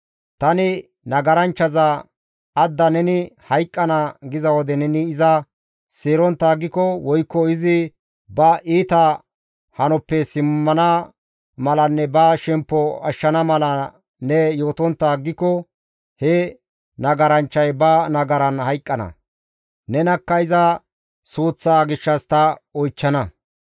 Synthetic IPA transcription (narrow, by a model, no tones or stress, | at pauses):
t̪ɐnɪ | nɐɡɐɾɐnt͡ʃːɐzɐ | ɐd̪ːɐnɛnɪhɐjkʼːɐnɐɡɪzɐwɔd̪ɛnɛnɪːzɐ | seːɾɔnt̪ːaːɡɪkːɔwɔjkːɔɪzɪ | bɐʔiːt̪ɐ | hɐnɔpːɛsɪmːɐnɐ | mɐlɐnːɛbɐʃɛmpːɔɐ̰ʃːɐnɐmɐlɐ | nɛjo̞ːt̪ɔnt̪ːaːɡɪkːɔ | hɛ | nɐɡɐɾɐnt͡ʃːɐjbɐnɐɡɐɾɐnhɐjkʼːɐnɐ̰ | nɛnɐkːɐɪzɐ | suːt͡sːaːɡɪʃːɐst̪ɐɔjt͡ʃːɐnɐ